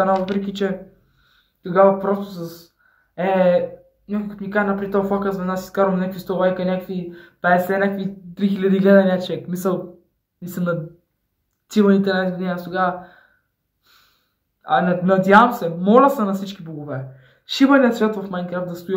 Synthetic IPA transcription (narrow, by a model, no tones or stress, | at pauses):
ɐnavəpɾɛk̬ʲit͡ʃɛ | t̪oɡavɐpɾɔst̪osɐs | ɛ | nʲakojkot̪nʲikaʒɛnɐpɾit̪ɔfakəzvɛnasi̥skaɾomnʲakvist̪ovajkɐnʲakvipɛɛsɛnʲakvit̪ɾixilʲɐd̪iɡlʲɛd̪ɛnʲat͡ʃɛkmisɐlˠ | nisəmnɐ | t̪ivɐnit̪ɛnɛzɡod̪inʲiɐst̪oɡavɐ | ɐ̰nɐnɐd̪ʲjavɐmsɛmɔlʲɐsɛnɐfsit͡ʃkʲiboɡovɛ | ʃivɐnʲiɐt̪svʲjat̪vɐfmajnkɾaft̪d̪ɐst̪ʊi